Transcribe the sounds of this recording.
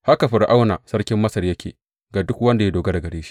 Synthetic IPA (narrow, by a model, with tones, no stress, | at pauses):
ha˦ka˨ɸɪ˨ɾʔa˦wnaː˨sɐ˦rkʲɪ˦mːɐ˦sɐ˨rjɐ˦kʲḛː˨ | ɡaː˨dʊ˦kwɐ˦nda˨ja˦doː˨ɡa˦da˨ɡɐ˨ɽeː˦ʃi̥˦